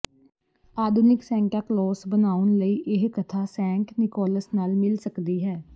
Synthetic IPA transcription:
aːd̪ʱʊnɪksɛ̃ːŋkaːklɔːsbənaːʊnləiːʔɪɦkət̪ʰaːsɛ̃ːŋknɪkɔːləsnaːlmɪlsəkd̪iːɦɛː

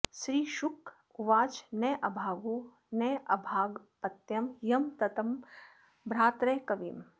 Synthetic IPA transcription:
ʃɾiːʃuk | uʋaːt͡ʃnɐjʔɐbʱaːɡoː | nɐjʔɐbʱaːɡpɐt̪jɐmjɐmt̪ɐt̪ɐm | bɾaːt̪ɾɐjkɐʋiːm

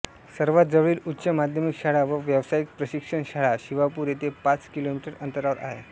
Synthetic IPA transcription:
səɾʋat̪̚d͡zəʋɭiːlutːɕəmad̪ʱjəmikɕaɭaʋəʋjəʋsaik̚pɾəɕikʂəɳɕaɭaɕiʋapuːɾjet̪epat͡skilomiʈəɾənt̪əɾaʋəɾʔa̰ɦḛ

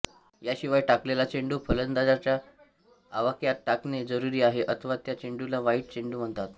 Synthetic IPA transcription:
jaɕiʋajʈaklelat͡ɕeɳɖuːpʰələnd̪ad͡zat͡ɕjaː | ʋəkjat̪̚ʈakned͡zəɾuɾiːaɦeʔət̪ʰəʋat̪jat͡ɕeɳɖulaʋaiːʈ̚t͡ɕeɳɖuːm̤əɳt̪at̪

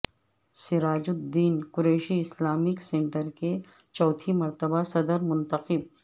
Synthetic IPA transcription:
sɪɾaːd͡ʒʊd̪iːnkʊɾeːʃiɪslaːmɪksẽːɳʈəɾke | t͡ʃɔːt̪ʰimɐɾt̪əbasɐd̪əɾmʊ̃nt̪əqɪb̚

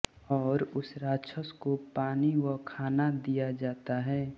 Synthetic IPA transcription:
ɔːɾʊsɾaːt͡ʃʰəskopaːniwəkʰaːnad̪ijad͡ʒaːt̪aɦɛː

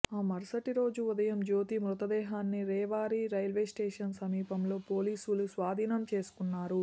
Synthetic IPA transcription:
aːmɐɾsɐʈiɾo̞ːd͡ʒuud̪ɐjɐmd͡ʒoːt̪imɾut̪ɐd̪ɛːɦaːnːiɾɛːʋaːɾiːɾɐjlʋeːsʈeːʂɐnsɐmiːpɐmlo̞ːpo̞ːliːsulusʋaːd̪ʱiːnɐmt͡ʃe̞ːsu̥kunːaːɾu

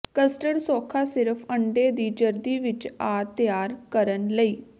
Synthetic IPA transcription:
kəsʈəɽsɔːkʰaːsɪɾəfʰəɳɖeːd̪iːd͡ʒəɾd̪iːʋɪt͡ʃaːt̪ɪjaːɾkəɾənləiː

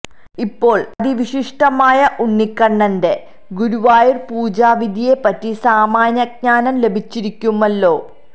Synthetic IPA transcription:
ipːo̞ːɭɐd̪ʱiʋiɕiʂʈɐmaːjɐʔuɳːikːɐɳːɐnde̞ | ɡuɾuʋaːjirpuːd͡ʑaːʋid̪ʱije̞pɐtːisaːmaːɲjɐɡ̚ɲaːnɐmle̞bʱit͡ɕːiɾikʲːumːɐlːo̞ː

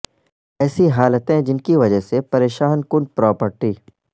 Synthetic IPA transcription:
ɛːsiɦaːlət̪ẽd͡ʒɪnkiʋɐd͡ʒəɦsepɐɾeːʃaːnkʊnpɾɔːpəɾʈiː

